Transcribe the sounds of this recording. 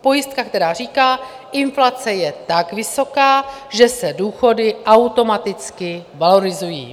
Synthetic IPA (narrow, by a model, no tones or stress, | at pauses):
po̞jɪst̪̚kak̚t̪ɛɾaːriːkaː | ʔɪnflat͡sɛjɛt̪akvɪso̞kaːʒɛsɛduːxo̞dɪʔawt̪o̞mat̪ɪt͡skɪvalo̞ɾɪzujḭː